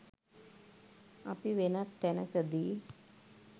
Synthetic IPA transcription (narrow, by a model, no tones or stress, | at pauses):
apiʋenat̪ːænəkəd̪iː